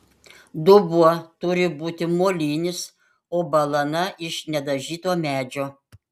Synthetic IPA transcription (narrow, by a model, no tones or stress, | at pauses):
d̪ʊbuɔt̪ʊɾʲɪbuːt̪ʲɪmoːlʲiːnʲɪs | oːbɐlˠɐnɐʔɪʃnʲɛd̪ɐʒʲiːt̪oːmʲæːd͡ʒʲoː